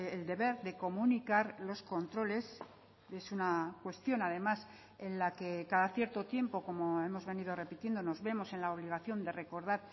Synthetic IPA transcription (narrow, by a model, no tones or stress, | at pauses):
eld̪e̞βe̞ɾðe̞ko̞munikaɾlo̞sko̞nt̪ɾo̞le̞s | e̞sunakwe̞st̪jo̞naðe̞mas | e̞nlake̞kaðaθje̞ɾt̪o̞t̪je̞mpo̞ko̞mo̞e̞mo̞zβe̞niðo̞re̞pit̪je̞nd̪ono̞zβe̞mo̞se̞nlaoβ̞liɣ̞aθjo̞nd̪e̞re̞ko̞ɾð̞aɾ